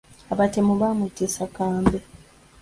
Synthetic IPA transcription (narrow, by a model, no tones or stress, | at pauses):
aβatemuβamutisakaːmbe